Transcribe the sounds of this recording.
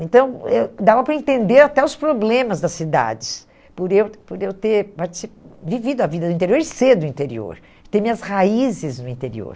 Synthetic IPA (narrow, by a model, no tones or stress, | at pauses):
ẽt̪ɐ̃w̃ɛd̪avɐpɾɐẽnt̪ẽnd̪eɾat̪ɛʊspɾoblẽmɐzd̪ɐsid̪a̰d͡ʒɪs | pʊɾewpoɾewt̪eɾpaɾt͡ʃi̥sipvivid̪ʊɐvid̪ɐd̪ʊĩnt̪eɾioɾɪseɾd̪ʊĩnt̪eɾḭo̰ɾ | t̪eɾmĩɲɐshaizɪznʊĩnt̪eɾḭo̰ɾ